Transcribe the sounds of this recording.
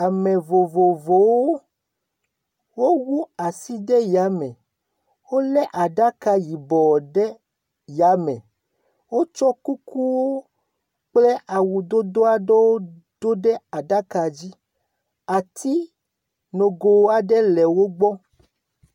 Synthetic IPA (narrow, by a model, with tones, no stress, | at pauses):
a˨mẽ˨vo˨vo˨vo˨wo˦ | wo˦wu˦a˨si˦ɖɛ˦ja˨˦mɛ̃˨ | wo˦lɛ˦ʔa˨ɖa˦ka˦ji˨bɔ˨ɖɛ˦ | ja˨˦mɛ̰̃˨ | wo˦t͡ʃɔ˦ku˦ku˦wo˦ | k͡plɛ˦ʔa˨wu˨d̪o˦d̪o˦a˦ɖe˦wo˦ | d̪̥o˦ɖɛ˦a˨ɖa˦ka˨d͡ʑi˦ | a˨t̪i˦ | nõ˨ɡo˨wa˨ɖɛ˦lɛ˨wo˦ɡ͡bɔ˦